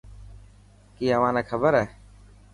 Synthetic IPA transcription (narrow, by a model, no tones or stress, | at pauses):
kiːəʋãːneːkʰəbəɾɛː